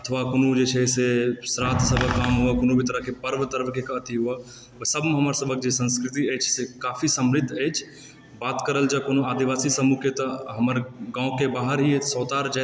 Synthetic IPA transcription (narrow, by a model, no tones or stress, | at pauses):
ət̪ʰʋakonod͡ʒet͡ʃʰɛsesɾat̪ʰsəbʱəkːaːmɦuəkoːnobʱit̪əɾəɦkepəɾʋət̪əɾʋkekət̪iɦuə | ʋəsəbʱmẽɦəməɾsəbʱək̚d͡ʒesə̃nskɾɪt̪iɛt͡ʃʰsekaːpʰisəmɾɪt̪ʰːɛt͡ʃʰ | baːt̪kəɾəld͡ʒəbkonoad̪iʋaːsisəmuket̪əɦəməɾɡãːõkebaːɦəɾɦisɔːt̪aɾd͡ʒa